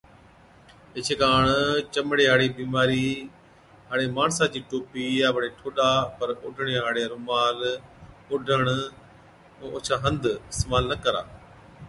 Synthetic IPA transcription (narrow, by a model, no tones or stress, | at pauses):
ɪt͡ʃʰeːkaːɳt͡ʃəmɽeːɦaːɽiːbiːmaːɾiː | ɦaːɽeːmaːɳsaːd͡ʑiːʈoːpiːjaːʋəɽeːʈʰoːɗaːpəɾʊɖʱəɳ̃eːɦaːɽeɾũːmaːl | ʊɖʱəɳ | ũːʊt͡ʃʰaːɦə̃nd̪ɪst̪ːmaːlnəkəɾa̰ː